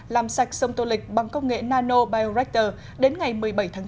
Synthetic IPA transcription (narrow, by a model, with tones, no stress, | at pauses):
laː˨˩msa˨˩jk̚sə˧wŋ͡mt̪o˧lï˨˩k̟̚ɓa˨˩ŋkə˧wŋ͡mŋḛ˧˨naː˧no˧ɓaː˧jo˧zɛ˦˥k̚t̪əː˨˩ | ɗe˨˦nŋa˨˩jmɨ˨˩əjɓə˧˩jt̪ʰaː˨˦